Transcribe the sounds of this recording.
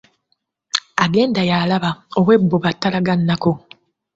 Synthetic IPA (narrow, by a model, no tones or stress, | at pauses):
aɡe̞ːndajaːlaβao̞βwe̞bːoβatːalaɡanːako̞